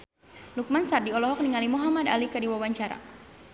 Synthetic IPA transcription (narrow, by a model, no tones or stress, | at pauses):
luk̚mansardiɔlɔɦɔk̚niŋalimuɦamada̰likardiwawaɲt͡ʃaɾa̰